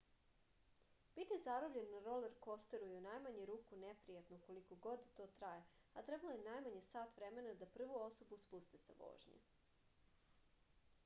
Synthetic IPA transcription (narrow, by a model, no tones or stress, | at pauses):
b̥it̪izaɾobʎenːaɾoleɾko̞st̪eɾujeunajmaɲeɾuːkunepɾijat̪noko̞likoɡo̞d̪t̪o̞ːt̪ɾaje | at̪ɾebalojenajmaɲesaːt̪ʋɾeme̞nad̪apr̩ʋuoso̞buspust̪esa̰ʋo̰ːʒɲḛ